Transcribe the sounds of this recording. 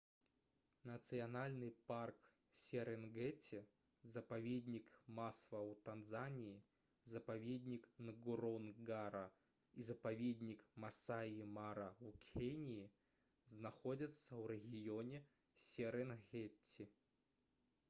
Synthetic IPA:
nɐt̪sɨjanalʲnɨpark | sʲɛɾɛnɣɛt͡sʲʰi | zɐpavʲed̪ʲnʲikmasvɐwt̪anzanʲiji | zɐpavʲed̪ʲnʲiknɐɡuɾɔnɡaɾɐ | izɐpavʲed̪ʲnʲikmasaimaɾɐukʲʰenʲiji | znaxɔd͡zʲɐt̪sːɐwɾɛɣʲijɔnʲɛ | sʲɛɾɛnɣɛt͡sʲːi

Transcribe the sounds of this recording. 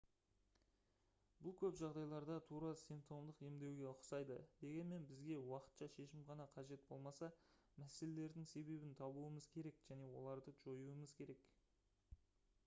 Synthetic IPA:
bʊlˠkʲʰɵpʒɑʁd̪ɑjlˠɑɾd̪ɑt̪ʰuɾɑsijmp̚t̪o̞md̪əqe̞md̪e̞wɡʲe̞qʰʊ̥sɑjd̪əd̪̥e̞ɡʲe̞nme̞nbɪzɡʲe̞wɑqə̥t̪ʃɑʃe̞ʃɪmʁɑnɑqʰɑʒe̞t̪̚bo̞lˠmɑsɑ | mæse̞le̞le̞ɾd̪ɪŋse̞be̞bɪnt̪ʰɑbuəməzkʲʰe̞ɾe̞kʒ̥æne̞wo̞̰lˠɑɾd̪əʒo̞juəməzkʲʰe̞ɾe̞k

